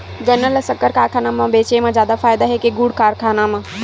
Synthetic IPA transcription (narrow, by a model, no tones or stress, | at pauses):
d͡ʒənːəlsəkːəɾkaːɾkʰaːnamãbeːt͡ʃemẽd͡ʒjaːd̪afʰaːjd̪aɦekeɡuɽkaːɾkʰaːnamã